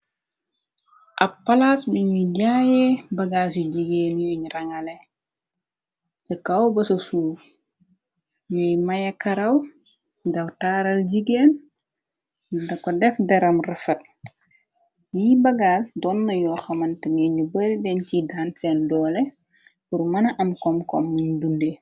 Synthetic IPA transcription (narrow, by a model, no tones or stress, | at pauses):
ʔɐpːɐlasbiɲiɟaːjɛbɐɡaːsjuɟiɡeːnjɔɲurɐŋɐlɛ | tɛkɐwbɐsosuː | jɔjmɐjɐkɐɾɐw | dɐwtaːɾɐlɟiɡeːn | dɐkːɔdɛfdɛɾɐmrɛfɐt̚ | jibɐɡaːsdɔnːɐjɔːxɐmɐntɛmjɛɲubəldɛncidaːnsɛndɔːlɛ | puɾmɐnɐʔɐmkɔmkɔ̰mːuɲdunde